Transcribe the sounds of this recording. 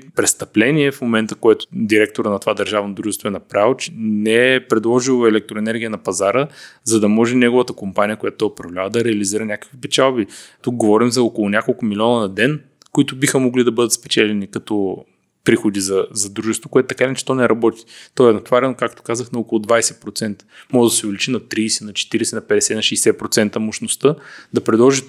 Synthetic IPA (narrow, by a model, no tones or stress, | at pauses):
pɾɛst̪ɐplɛniɛfmomɛnt̪əkoɛt̪ʊ̥d̪iɾɛk̚t̪oɾənɐt̪ovad̪ɐɾʒavnod̪ɾuʒɛst̪voɛnɐpɾavot͡ʃɛnɛɛpɾɛd̪lˠɔʒilˠoɛlɛk̚t̪ɾʊɛnɛɾɡʲiənɐpɐzaɾəzɐd̪ɐmɔʒɛnɛɡʊvət̪əkompanʲijəkoʊjat̪ʊt̪ɔjʊpɾɐvlʲavəd̪ɐɾɛɐliziɾənʲakə̥kvipɛt͡ʃalˠbit̪uk̚ɡovɔɾimzɐokolˠʊnʲakolˠkʊmilʲɔnənɐd̪ɛn | koit̪ʊbixəmoɡlid̪ɐbɤd̪ət̪spɛt͡ʃɛlɛnikɐt̪ɔ | pɾixod̪izɐzɐd̪ɾuʒɛst̪vokʊɛt̪ʊt̪ɐkainɛt͡ʃɛ̥t̪ɔnɛɾɐbɔt̪i̥t̪ɔɛnɐt̪vaɾɛnokak̚t̪o̥kazəxnɐokolˠʊd̪vajsɛpɾot̪sɛnt̪ə̥mɔʒəd̪ɐsʲʊvɛlʲit͡ʃinɐt̪ɾiːsɛnɐt͡ʃɛ̥t̪iɾɛsɛnɐpɛd̪ɛsɛnɐʃɛjsɛpɾot̪sɛnt̪əmoʃnost̪ɤd̪ɐpɾɛd̪lˠɔʒi